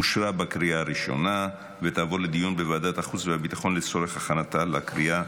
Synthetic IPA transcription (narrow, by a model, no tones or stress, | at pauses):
uʃɾabakɾiaːʁiʃo̞̰na | vet̪aːvo̞led̪ijunbevaːd̪at̪aχut͡sveabit̪aχo̞nlet͡so̞ʁe̞χaχanat̪alakʁia